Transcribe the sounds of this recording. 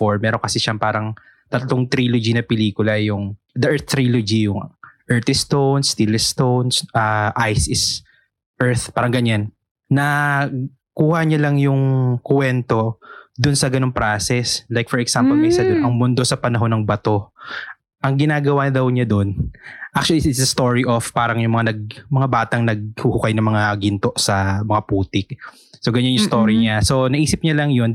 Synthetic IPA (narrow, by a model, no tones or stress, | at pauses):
foɹmɛːɾo̞ŋkɐsɛʃɐmpaːɾɐŋ | t̪ɐt̪loŋt̪ɾilod͡ʒinɐpɛliːkʊlɐjʊŋ | d̪ɐʔɛɹθt̪ɾilod͡ʒijʊŋʔɛɹt̪ɛst̪ownst̪ilɛst̪ownsʔɐʔajsɪs | ʔɛɹt̪paːɾɐŋɡɐɲanː | ɐ | kuːhɐɲɐlɐŋjʊŋkwɛnt̪o̞d̪ʊnsɐɡɐno̞ŋpɾasɛslajk̚fɔɹɛksampɔlmɛsɐd̪ʊnʔɐŋmʊnd̪o̞sɐpɐnɐɦo̞nɐŋbɐt̪o̞ | ʔɐŋɡɪnaːɡɐwad̪ɐwɲad̪o̞nʔak̚t͡ʃʊɐliɪt̪sɐst̪oɹiʔofpaːɾɐŋjʊŋmɐŋanɐɡ̚mɐŋabaːt̪ɐŋnɐɡ̚huhukajnɐmɐŋaɡɪnt̪o̞ʔsɐmɐŋapuːt̪ɪk̚ | so̞ɡɐɲanjʊŋst̪oːɾiɲaso̞nɐʔiːsɪp̚ɲɐlɐŋjo̞n